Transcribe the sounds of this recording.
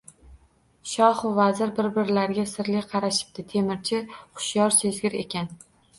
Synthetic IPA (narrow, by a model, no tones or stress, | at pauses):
ʃɒhvazɪɾbɪɾbɪɾlaɾɡʲasɪɾlɪjqʰɑɾaʃɪ̥b̚t̪ɪt̪ʰe̞mɪɾt͡ʃʰɪχʊ̥ʃjɒɾsezɡʲɪɾe̞̰kʲʰan